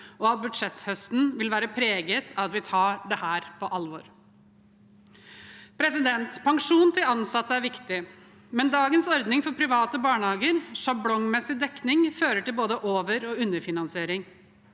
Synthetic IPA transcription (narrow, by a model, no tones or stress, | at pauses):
ɔɑt̪̚bʉd̪ʂɛt̪hœst̪n̩ʋɪlʋæːɾəpʰɾeːɡət̪ʰɑt̪ʋɪt̪ʰɑːɖɛhæːɾpʰɔʔɑlʋɔɾ | pʰɾɛsɪd̪ɛnt̪pʰɑŋʂuːnt̪ʰɪlɑnsɑt̪ːəæɾʋɪkt̪ɪ | mɛnd̪ɑːɡənsɔɾd̪nɪŋfɔɾpʰɾɪʋɑːt̪əbɑːɳəhɑːɡəɾʂɑblɔŋmɛsɪd̪ɛknɪŋføːɾəʈɪlboːd̪əʔoːʋəɾɔʉnːəɾfɪnɑnsɪeːɾɪŋ